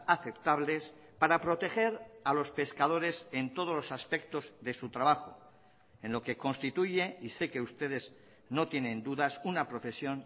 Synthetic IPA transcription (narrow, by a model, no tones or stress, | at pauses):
aθe̞pt̪aβle̞s | paɾapɾo̞t̪e̞xe̞ɾalo̞spe̞skað̞o̞ɾe̞se̞nt̪o̞ð̞o̞zlo̞saspe̞k̚t̪o̞zðe̞sut̪ɾaβaxo | ẽ̞nlo̞ke̞ko̞nst̪it̪uʝe̞ise̞ke̞ust̪e̞ðe̞z | no̞t̪je̞nẽ̞nd̪uðasunapɾo̞fe̞sjo̞n